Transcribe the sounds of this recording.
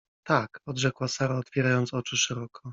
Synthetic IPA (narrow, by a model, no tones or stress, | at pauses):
t̪akɔd̪ʐɛkwasaɾaɔt̪fʲjɛɾajɔnt̪sɔt͡ʂɘʂɛɾɔkʰɔ